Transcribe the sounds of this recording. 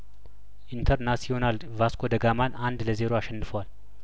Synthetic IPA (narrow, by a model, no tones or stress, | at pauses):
ʔint̪ʰəɾnasional | vaskʰod̪əɡamanand̪ləze̞ɾoaʃɛnːɨfəwal